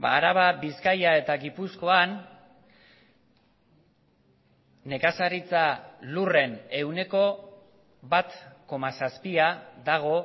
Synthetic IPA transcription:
ba̰ːɾaβabiskajae̞t̪aɣipusko̞an | e̞kasaɾit͡salure̞ne̞wne̞ko̞ | βat̪ko̞masaspiaðaɣ̞o̞

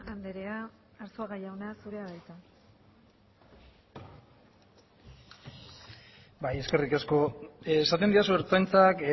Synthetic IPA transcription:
and̪eɾe̞aː | ɾsoaɣajawnasuɾe̞aβajt̪a | baje̞ske̞rikasko̞sat̪e̞nd̪iasueɾt͡sajnt͡sak

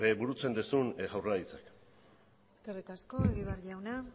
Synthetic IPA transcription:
ebuɾut͡se̞nd̪esunʝawrait͡sak | eske̞rikasko̞eɣiβ̞erʎawna

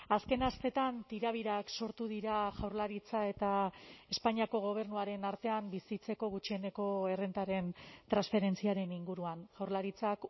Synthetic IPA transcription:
aske̞nast̪e̞t̪ant̪iɾaβ̞iɾakso̞ɾt̪uð̞iɾaʝawɾlaɾit͡sae̞t̪ae̞spaɲiako̞ɣ̞o̞β̞e̞ɾnuaɾe̞naɾt̪e̞ambisit͡se̞ko̞ɣ̞ut͡ʃie̞ne̞ko̞e̞rent̪aɾe̞nt̪ɾansfe̞ɾe̞nt͡siaɾe̞niŋɡuɾuanʝ̥awɾlaɾit͡sak

